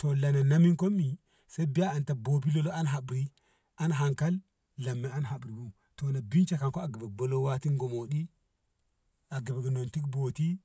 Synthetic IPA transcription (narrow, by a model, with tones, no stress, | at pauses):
to˨la˨na˨na˦mi˦ŋko˦mːi˨ | se˦bi˦aː˦˨nta˨bo˨bi˦lo˦lo˦a˦nɦa˨bɾi˦ | a˦nɦa˨ŋka˦lː | a˨mːe˨a˦nɦa˨bɾi˨bu˦m | to˨na˨bi˦nt͡ʃa˨ka˨nko˦a˨ɡe˨be˨ɡ̚bo˨lo˦wa˦ti˦ŋɡo˨mo˨ɗi˦ | a˨ɡe˨be˨ɡno˨nti˦kbo˨ti˦